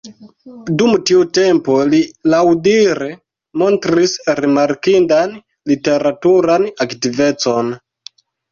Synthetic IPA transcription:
dumtiute̞mpo̞lilawdiɾe̞ | mo̞ntɾisɾimaɾkindan | lite̞ɾatuɾanaktive̞t͡so̞n

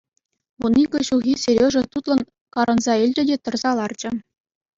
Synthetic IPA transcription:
ʋunikʲɤ̆ɕuɣʲisʲeɾʲeʐɘ̆t̪ut̪lˠɤ̆n | kɑɾɤ̆nzɑilʲd͡ʑɘ̆dʲet̪ɤ̆rzɑlˠɑrd͡ʑɘ̆

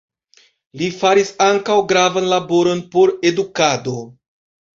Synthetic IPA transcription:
lifaɾisaŋkawɡɾavanlabo̞ɾo̞npo̞ɾe̞dukado̞

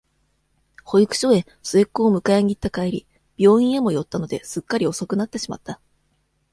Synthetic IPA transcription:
ho̞ikɯ̟̥ɕo̞e̞ | sɨekːoːmɯ̟kaeɲ̟it̪ːakaiɾʲi | b̥ʲo̞ːĩɰ̃e̞mo̞jo̞t̪ːano̞d̪e̞sɨkːaɾʲio̞so̞kɯ̟nat̪ːe̞ɕima̰t̪ːa

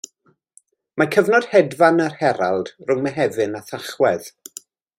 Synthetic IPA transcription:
makʰəvnɔd̥hɛdvanarhɛɾalˠd̥rʊŋmɛɦɛvɨnaθaχwɛð̥

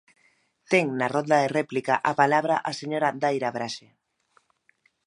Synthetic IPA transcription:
t̪ɛŋnarɔnd̪aðerɛplikaʔapalaβ̞ɾaʔaseɲoɾad̪ajɾaβɾaʃe

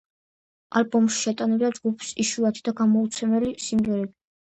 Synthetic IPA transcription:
albɔmʃi̥ʃɛt̪ʼanɛbd̪ad͡ʒɡupʰsiʃuat̪ʰid̪aɡamɔut̪sʰɛmɛlisimʁɛɾɛbi

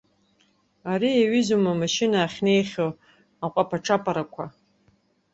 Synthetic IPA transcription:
aɾiaɥʏzumamaʃɪnaːχʲne̞jχʲow | aqʷʼapʰaʈ͡ʂʰapʼaɾakʷʰa

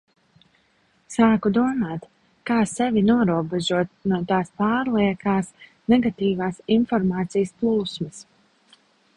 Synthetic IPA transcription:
saːkud̪uɔmaːt̪ | kaːsɛvinuɔɾuɔbɛʒuɔt̪̚nuɔt̪aːspaːɾlˠiɛkaːs | nɛɡat̪iːvaːsinfɔɾmaːt̪sijəsplˠuːsməs

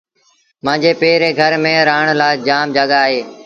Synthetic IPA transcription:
mãːɲd͡ʑeːpeːɾeːɡʱəɾmẽːɾaːɳlaːd͡ʒaːmd͡ʒəɠaːɦeː

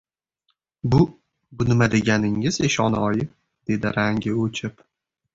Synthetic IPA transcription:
bʊ | bʊnɪmad̪e̞ɡʲanɪŋɪzeʃɒnɒjɪ | d̪̥e̞d̪ɪɾaŋɡʲɪot͡ʃʰɪp

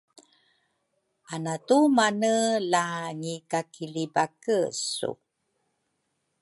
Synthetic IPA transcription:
ʔanatumanəlaɲikakilibakəsṵ

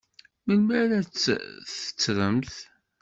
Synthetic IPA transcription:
məlmæɾæt͡sːθə̥t͡sːɾˤəmθ

